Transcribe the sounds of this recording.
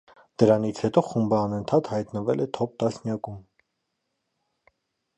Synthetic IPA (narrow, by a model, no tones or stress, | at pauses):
d̪̥əɾɑnit͡sʰhɛt̪ɔχumbəɑnənt̪ʰɑt̪hɑjt̪nəvɛlɛt̪ʰɔp̚t̪ɑsnjɑkum